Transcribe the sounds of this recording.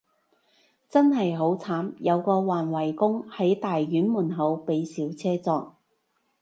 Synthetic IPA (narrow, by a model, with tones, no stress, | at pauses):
t͡sɐ˥nɦɐ˨jɦo˨˥wt͡sʰaː˨˥mjɐ˨˧wkɔː˧waː˨nwɐ˨˩jkʊ˥ŋhɐ˨˥jt̪aː˨jːyː˨˥nmuː˨˩nɦɐ˨˧wpe˨˧jsiː˨˥wt͡sʰɛː˥t͡sɔː˧k̚